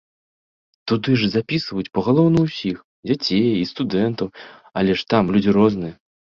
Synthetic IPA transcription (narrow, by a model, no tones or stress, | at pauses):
t̪ud̪ɨʐzapʲisvəjut͡sʲpɐɣalˠɔwnɐwsʲix | d͡zʲat͡sʲejist̪ud̪ɛnt̪ɐw | alʲɛʂt̪amlʲud͡zʲiɾɔznɨjɛ